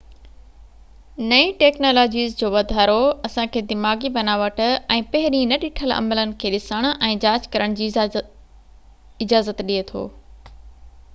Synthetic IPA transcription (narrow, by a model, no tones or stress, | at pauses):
nɐĩʈeːknoːloːd͡ʑiːzd͡ʑoːʋɐd̪ʱaːɾoɐsãkʰeːd̪ɪmaːɡibɐnaːʋəʈʊ̆ɛ̃ːpɐɦɪɾĩnɐɗɪʈʰəlɐ̰mələnɪ̆kʰeːɗɪsəɽ̃ʊʔɛ̃ːd͡ʑaːd͡ʑkɐɾəɽ̃d͡ʑiː | ɪd͡ʑaːzət̪ɗiet̪ʰo̰ː